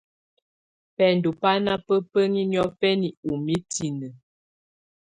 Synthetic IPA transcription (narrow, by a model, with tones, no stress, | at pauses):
pɛ˨n˨du˨pa˦na˦pə˦pə˦ŋi˦n˦ɔ˦fɛ˦ni˨u˨mi˦tʰi˨nə˨